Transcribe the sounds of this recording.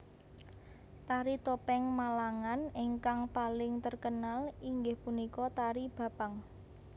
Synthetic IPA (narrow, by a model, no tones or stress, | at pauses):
t̪aɾit̪opɛŋmalaŋaneŋkaŋpalɪŋt̪ərkənaliŋɡɪhpunikɔt̪aɾib̥a̤paŋ